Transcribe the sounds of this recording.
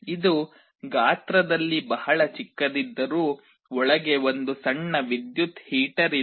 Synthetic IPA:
id̪u | ɡaːt̪ɾɐd̪ɐlːibɐhɐɭɐt͡ʃikːɐd̪id̪ːɐɾuː | ɔɭɐɡe̞ʋond̪usɐɳːɐʋid̪jut̪hiːʈɐɾi

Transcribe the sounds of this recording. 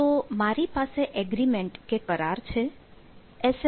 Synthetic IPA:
t̪omaɾipaseʔɛɡɾimẽɳʈkekəɾaɾt͡ʃʰe | ɛs

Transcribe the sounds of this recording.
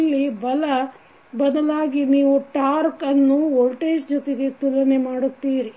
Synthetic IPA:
lːibɐlɐ | bɐd̪ɐlaːɡiniːʋuʈaːɾkɐnːuolʈeːʃd͡ʒɔt̪eɡe̞t̪ulɐnemaːɽut̪ːiːɾi

